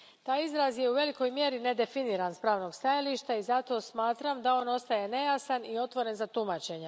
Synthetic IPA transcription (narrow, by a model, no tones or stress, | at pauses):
t̪aːjizɾazje̞uʋe̞liko̞jmjeɾine̞d̪e̞finiːɾanspɾaːʋno̞ɡst̪ajaliʃt̪aizat̪o̞ːsmaːt̪ɾamd̪ao̞ːno̞st̪ajene̞jasanio̞t̪ʋo̞ɾe̞nzat̪umat͡ɕe̞ɲe